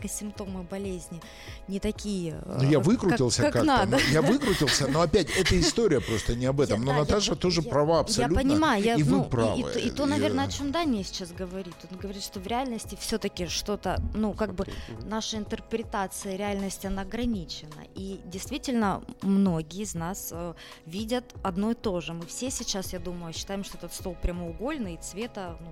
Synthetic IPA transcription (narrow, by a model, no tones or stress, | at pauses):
kəsʲɪmp̚t̪o̞mɨbɐlʲezʲnʲɪ | nʲɪt̪ɐkʲijənʊjavɨkɾʊɪlˠsʲəkanad̪əjavɨkɾʊtʲɪlˠsʲənoɐpʲætʲɛt̪əɪst̪oɾʲɪjəpɾo̞st̪ənʲɪɐbɛt̪əmnonɐt̪aʐɨt̪oʐɨpɾɐvaɐpsɐjalʲupənʲɪmajʊjaivɨupɾa̰vɨ̰ʔɪt̪o̞nɐvʲenəɐt͡ɕo̞md̪anʲɪjəsʲɪ̥t͡ɕasɡəvɐɾʲit̪ʲo̞nɡəvɐɾʲit̪ʂt̪o̞vɾʲɪalʲnəsʲtʲɪfsʲɵt̪əkʲɪʂt̪o̞t̪ənukaɡ̚bɨnaʂəɪnt̪ərpɾʲɪt̪at̪sɨjəɾʲɪalʲnəsʲtʲɐnaɐɡɾɐnʲit͡ɕɪnə̰ʔidʲɪjst̪vʲitʲɪlʲnəmno̞ɡʲɪjɪznasə | vʲidʲət̪ɐd̪no̞ɪt̪o̞ʐɨmɨfsʲesʲɪt͡ɕasjad̪uməjʊɕːɪ̥t̪ajɪmʂt̪o̞ɛt̪ət̪st̪o̞lˠpɾʲɪɐməʊɡo̞lʲnɨit̪svʲe̞t̪ənu